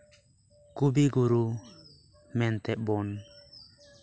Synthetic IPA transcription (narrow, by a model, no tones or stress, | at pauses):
kubiɡuɾu | mɛnt̪ɛʔ̚bɔn